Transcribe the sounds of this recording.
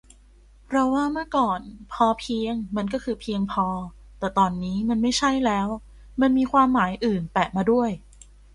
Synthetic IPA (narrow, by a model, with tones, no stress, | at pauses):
pʰɾɔ˦˥waː˥˩mɯ˥˩kɔː˨˩npʰɔː˧pʰi˧əŋma˧nkɔː˥˩kʰɯː˧pʰi˧əŋpʰɔː˧ | t̪ɛː˨˩t̪ɔː˧˩nːiː˦˥ma˧nma˥˩jt͡ɕʰa˥˩jlɛː˦˥w | ma˧nmiː˧kʰwaː˧mːaː˩˦jʔɯː˨˩np̪ɛː˨˩maː˧du˥˩əj